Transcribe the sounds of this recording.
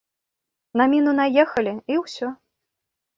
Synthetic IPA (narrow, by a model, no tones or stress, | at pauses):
nɐmʲinunajɛxɐlʲiiwsʲɔ